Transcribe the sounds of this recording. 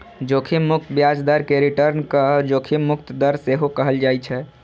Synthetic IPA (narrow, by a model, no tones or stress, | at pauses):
d͡ʒokʰimːʊk̚t̪bjad͡ʒd̪əɾkeɾiʈəɾnkəd͡ʒokʰimːʊkt̪d̪əɾseɦokəɦəld͡ʒajt͡ʃʰɛ